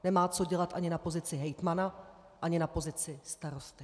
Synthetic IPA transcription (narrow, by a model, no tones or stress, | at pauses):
nɛmaːt͡so̞ɟɛlat̪ʔaɲɪnapo̞zɪt͡sɪɦɛjt̪mana | ʔaɲɪnapo̞zɪt͡sɪst̪aɾo̞st̪ɪ